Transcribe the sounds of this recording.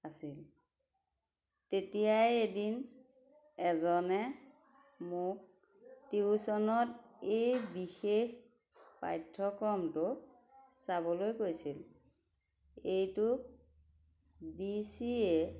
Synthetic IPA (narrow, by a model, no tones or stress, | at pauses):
asil | tetijajedin | ɛzɔnɛ | mʊk̚ | tiusɔnɔtejbixex | pa̰jtʰːɔkɹɔmtʊ | sabɔlojkojsil | ejtʊ | bisiɛ